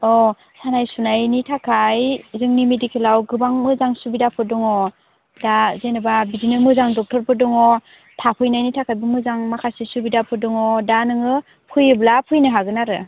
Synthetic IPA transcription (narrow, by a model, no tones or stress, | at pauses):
ɔ | sanajsunajnitʰakʰajzɯŋnimedikʰelawɡɯbaŋmɯzaŋsubidapʰɯdɔŋɔ | dazenɯbabizinɯmɯzaŋdɔk̚tʰɔɾpɯdɔŋɔ | tʰapʰɯjnajnitʰakʰajbɯmɯzaŋmakʰasisubidapʰɯdɔŋɔdanɯŋɯ | pʰɯjɯblapʰɯjnɯɦaɡɯnaɾɯ